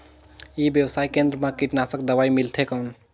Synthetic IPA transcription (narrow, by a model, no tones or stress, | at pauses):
ibjəwsaːjkẽnd̪ɾəmãkiʈnasəkd̪əʋaːimilt̪ʰekən